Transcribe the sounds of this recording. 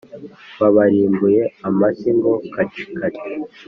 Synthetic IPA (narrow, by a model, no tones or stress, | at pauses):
βaβaɾiːmbuje̞amasiŋɡokat͡ʃi̥kaɾi̥